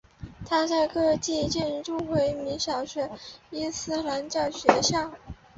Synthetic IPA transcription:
t̪ʰa˥t͡sa˥˧ɪkɤ˥˧˥t͡ɕi˥˧t͡ɕjɛ˥˧n˥˩ʈ͡ʂu˥˩xwe˧˥ɪmi˧˥ŋɕjɑ˨˩ʊɕɥɛ˧˥i˥nsɹ̩˥la˧˥nt͡ɕjɑ˥˩ʊɕɥɛ˧˥ɕjɑ˥˩ʊ

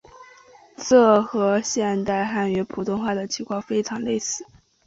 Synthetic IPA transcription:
ʈ͡ʂɤ˥˩xɤ˧˥ɕjɛ˥˧nt̪a˥˧ɪxa˥˩nɥɛ˧˥pʰu˨˩t̪ʊ˥˧ŋxwa˥˩d̪ə˩t͡ɕʰi˧˥kʰwɑ˥˩ŋfe˥ɪʈ͡ʂʰɑ˧˥ŋle˥˧ɪsɹ̩˥˩

